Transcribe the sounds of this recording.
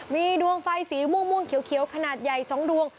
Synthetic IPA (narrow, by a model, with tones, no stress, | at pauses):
miː˧du˧əŋfa˧jsiː˩˦mu˧˥˩ŋmu˧˥˩əŋkʰi˨˩˦əwkʰi˩˦əwkʰa˧naː˨˩t̪̚ja˨˩jsɔː˩˦ŋdu˧əŋ